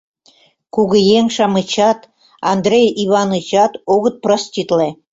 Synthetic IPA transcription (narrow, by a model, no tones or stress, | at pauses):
kuɣə̆jeŋʃɑmɨt͡ɕɑt̪ | ɑnd̪ɾʲejiβɑnɯt͡ɕɑt̪oɣə̆t̪̚prosʲtʲit̪le